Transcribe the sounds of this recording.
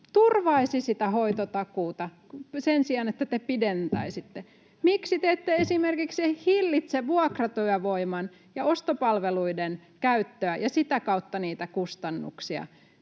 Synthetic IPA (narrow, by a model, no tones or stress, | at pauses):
t̪urʋɑisisit̪æhoit̪ot̪ɑkuːt̪ɑ | sensiɑnet̪ːæt̪epident̪ɑisit̪ːe | miksit̪eet̪ːeesimerkiksehilːit̪seʋuɑkrɑt̪yæʋoimɑn | jɑost̪opɑlʋeluidenkæyt̪ːøæjɑsit̪ækɑut̪ːɑniːt̪ækust̪ɑnːṵksiɑ̰